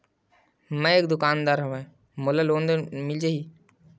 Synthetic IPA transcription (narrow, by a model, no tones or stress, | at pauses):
mɛ̃eːkd̪ʊkaːnd̪aːɾɦəʋẽː | moləloːnd̪omɪld͡ʒeɦiː